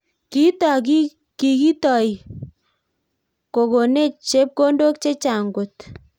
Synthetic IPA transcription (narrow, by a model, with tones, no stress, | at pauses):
ki˦ta˨ki˦ | ki˨ki˦tɔ˨i˨ | ko˨ko˨ne˦˨t͡ʃe˦p̚ko˦ndo˦k̚t͡ʃe˦t͡ʃa˨ŋɡo˨t